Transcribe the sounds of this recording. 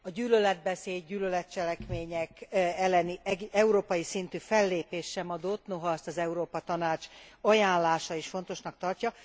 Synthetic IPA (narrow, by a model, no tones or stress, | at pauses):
ɒɟyːlølɛd̪̚bɛseːd̚ɟyːlølɛt̪̚t͡ʃɛlɛkmeːɲɛkɛlːɛniɛuɾoːpɒjisint̪yːfɛlːeːpeːʃʃɛmɒd̪ot̪noɦɒɛst̪ɒzɛuɾoːpɒt̪ɒnaːt͡ʃɒjaːnlaːʃɒiʃfo̞n̪t̪o̞ʃnɒk̚t̪ɒrcɒ